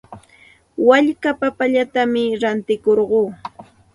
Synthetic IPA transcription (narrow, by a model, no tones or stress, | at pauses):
waʎkapapaʎat̪amɪɾant̪ɪkoɾɢoː